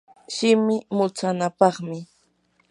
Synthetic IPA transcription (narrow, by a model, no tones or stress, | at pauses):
ʃɪmɪmʊt͡sanapɑχmɪ